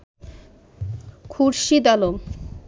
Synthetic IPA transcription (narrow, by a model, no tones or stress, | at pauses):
kʰuɾʃid̪alom